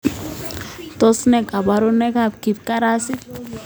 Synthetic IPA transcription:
t̪ɔ˦snɛ˨ɡa˨ba˨ɾo˦nɛ˦kap̚ki˨p̚ka˦ɾa˦si˦t̪̚

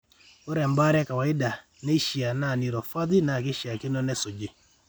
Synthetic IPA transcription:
o˦ɾɛ˨mba˦ɾɛ˦ka˨wa˨ɪ˦da˨ | ne˦ʃja˨na˦˨ni˨ɾɔ˨fa˦d̪i˦na˨ke˦ʃja˨ke˦nɔ˦nɛ˦so˨d͡ʒe˨

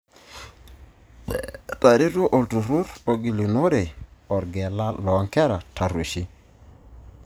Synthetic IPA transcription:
t̪a˨ɾi˦to˦ʔo˨ltu˨ɾu˦ɾo˨ɡi˨li˨no˦ɾe˨ɔ˨ɾɡɛ˨la˦lɔ˨˦ŋkɛ˦ɾa˨tʰa˨ɾe˨ʃi˦

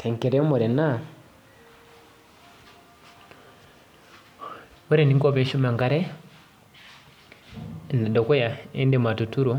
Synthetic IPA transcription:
tʰe˨ŋkɛ˨ɾɛ˦mɔ˨ɾɛ˨na˦ | wɔ˦ɾɛ˨ni˦ŋɡɔ˦pɛ˦ʃu˦ma˨ŋɡa˨˦ɾɛ˦˨ | nɛ˨dɔ˨kɔ˦ja˨e˦ndɛ˨m˨a˨tu˨tu˦ɾɔ˦

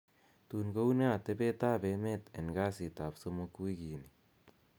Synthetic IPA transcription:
t̪uː˨nɡo˦wne˦a˨t̪e˦be˦t̪aː˦be˦met̪e˨nɡa˦si˨t̪a˨pso˦mokwi˦ɡiː˨ni

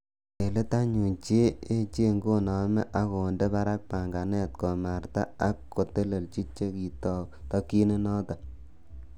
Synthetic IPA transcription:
e˨le˦ta˦ɲu˨nt͡ʃe˦e˦t͡ʃe˦ŋɡo˦nɔ˨mɛ˦ʔa˨ko˨nde˦pa˦ɾa˦k̚pa˨ŋɡa˨nɛ˦t̚kɔ˨ma˨rta˦a˨˦kːo˨te˦le˨lt͡ʃi˦t͡ʃt͡ʃːe˦ki˨tɔ˦tɔ˦ki˦ne˦nɔ˦ta˨

